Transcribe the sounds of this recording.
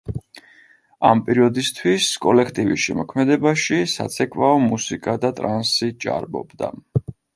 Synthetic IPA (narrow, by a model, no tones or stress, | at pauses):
ampʼɛɾiɔd̪ist̪ʰwiskʼɔlɛkʰt̪ʼivḭsʃɛmɔkʰmɛd̪ɛbaʃisa̰t̪sʰɛkʼvaɔmusikʼad̪at̪ʼɾansit͡ʃʼa̰ɾbɔ̰bd̪a̰